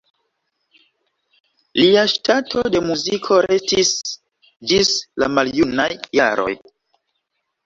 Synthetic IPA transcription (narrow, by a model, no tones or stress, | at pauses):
liaʃtatʰo̞de̞muzikʰo̞ɾe̞stis | d͡ʒislamaljunnajːa̰ɾo̞̰j